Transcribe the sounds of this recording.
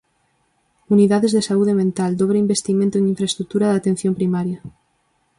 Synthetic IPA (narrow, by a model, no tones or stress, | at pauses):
uniðaðezðesauð̞emẽnt̪ald̪oβɾeimbest̪imẽnt̪oẽniɱfɾaest̪ɾuk̚t̪uɾaðat̪ẽn̟θjompɾimaɾja